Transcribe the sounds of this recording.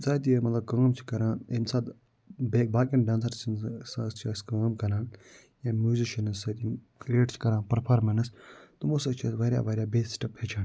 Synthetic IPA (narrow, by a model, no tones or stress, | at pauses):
sat̪̬ijemɐt̪lɐb̚kə̃ːmt͡ʃʰi̥kɐɾãːensaːt̪ | bek̚baːk̬inɖãːns̬ɐɾt͡ʃʰinsɐst͡ʃʰaːskɐ̃ːmkɐɾãːn | jãːmjuːziʃɐnɐssɐt̪inkɾieːʈt͡ʃʰi̥kɐɾãːnpɐɾpʰaːɾmɐnɐst̪umosɐt͡ʃʰaːsʋɐɾʲja̰ːʋɐɾʲjaːbeːssʈɐpet͡ʃʰaːn